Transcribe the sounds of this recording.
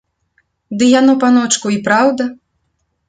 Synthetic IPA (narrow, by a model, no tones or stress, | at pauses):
d̪ɨjan̪ɔpanɔt͡ʂkuipɾawd̪ɐ